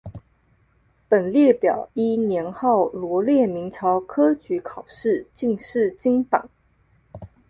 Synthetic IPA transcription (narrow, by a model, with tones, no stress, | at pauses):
pə˨˩nljɛ˥˩pjɑ˨˩˦ʊi˥njɛ˧˥nxɑ˥˩ʊlwɔ˧˥ljɛ˥˩mi˧˥ŋʈ͡ʂʰɑ˧˥ʊkʰɤ˥t͡ɕy˧˥kʰɑ˨˩ʊʂɻ̩˥˧t͡ɕi˥˧ŋʂɻ̩˥˩t͡ɕi˥ŋpa̰˨˩˦ŋ